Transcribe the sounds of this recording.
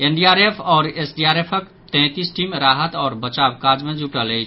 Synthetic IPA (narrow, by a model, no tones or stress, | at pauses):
enɖiaɾepʰɔːɾesɖijaɾepʰək | t̪ɛ̃t̪isʈimɾaɦət̪ɔːɾbət͡ʃabkad͡ʒmed͡ʒuʈələjt͡ʃʰ